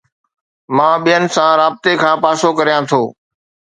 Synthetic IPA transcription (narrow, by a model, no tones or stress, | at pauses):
mãːɓijənɪ̆sãɾaːb̚t̪ekʰãːpaːsokɐɾijãt̪ʰoː